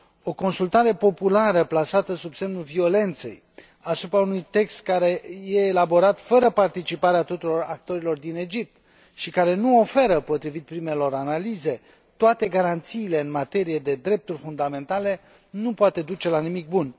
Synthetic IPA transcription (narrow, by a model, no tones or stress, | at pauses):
o̞ko̞nsult̪aɾe̞po̞pulaɾəplasat̪əsubse̞mnulvio̞le̞nt̪se̞̰j | asupɾaunujt̪e̞kst̪̚kaɾe̞jeːlabo̞ɾat̪fəɾəpart̪it͡ʃipaɾeat̪ot̪uɾo̞ɾak̚t̪o̞ɾilo̞rd̪ine̞d͡ʒip̚t̪ | ʃikaɾe̞nuo̞fe̞ɾəpo̞t̪ɾivit̪̚pɾime̞lo̞ɾanalize̞ | t̪oat̪e̞ɡaɾant̪siːle̞ɨnmat̪e̞ɾije̞d̪e̞d̪ɾe̞p̚t̪urʲfund̪ame̞nt̪ale̞ | nupoat̪e̞d̪ut͡ʃe̞lanimik̚bun